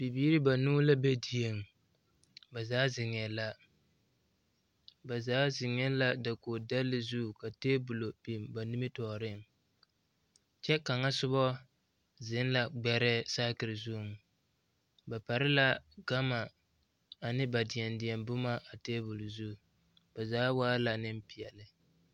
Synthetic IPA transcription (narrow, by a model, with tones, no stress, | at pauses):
b̥i˨biː˦ɾɪ˦ba˨nuː˦la˦be˦di˨e˨ŋ | ba˨zaː˦zɪ˨ŋɛ˨la˦ | ba˨zaː˨˦zɪ˨ŋɛ˦la˦da˨ko˨da˦lːɪ˦zu˦˨ka˨teː˦bʊ˨lo˨bi˨mba˨nɪ˦mɪ˦tɔː˨ɾɪ˦˨ŋ | t͡ʃɛ˦ka˨ŋa˦sʊ˦βɔ˦ | zɪ˨˦n˦la˨ɡ͡bɛ˦ɾɛ˦saː˦kɪ˨ɾɪ˨zu˦˨ŋ˨ | ba˨pa˨ɾɪ˦la˦ɡa˦ma˨ | a˨nɪ˦ba˨dɪ˨ɛ˨ndɪ˨ɛ˨mbʊ˦ma˦ʔa˨teː˦bʊ˨lzu˦˨ | ba˨zaː˦waː˦la˨nɪ˦m˦pi˨ɛ˨lɪ˨